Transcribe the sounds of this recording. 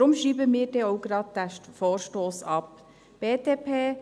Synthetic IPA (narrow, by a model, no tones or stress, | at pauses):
ɾʊmʃiːbəmiːɾdɛoʊɡɾɑːd̚d̥æfɔːɾʃtoːsɑp | b̥eːdeːpʰeː